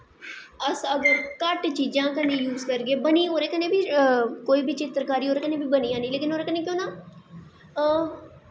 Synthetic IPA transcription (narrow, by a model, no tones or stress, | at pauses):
əsəɡəɾkəʈt͡ʃiːd͡ʒãːkənẽːjuːzkəɾɡeːbəniːoːɾeːkənẽːbʱiːkoːiːbʱiːt͡ʃɪt̪ɾkaːɾiːoːɾeːkənẽːbʱiːbəniːjãːniːleːkɪnoːɾekəneːk̬jõːnaː